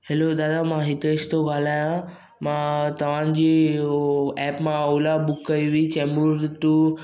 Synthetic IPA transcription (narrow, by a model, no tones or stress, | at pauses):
helod̪ad̪amaɦit̪est̪oɡʱalãjã | mat̪əʋ̤ãɲd͡ʑi | ɛpmãəwlabukːəjʋit͡ɕɛmuɾt̪u